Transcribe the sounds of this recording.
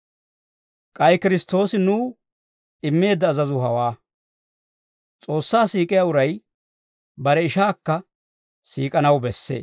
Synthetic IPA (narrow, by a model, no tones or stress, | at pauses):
kʼɐjkɪɾɪst̪o̞ːsɪnuː | ɪmːe̞ːd̪ːɐːzɐzʊɦɐ̰waː | t͡sʼo̞ːsːaːsiːkʼɪjaʊɾɐj | bɐɾɛɪʃaːkːɐ | siːkʼɐnɐwbɛsːḛː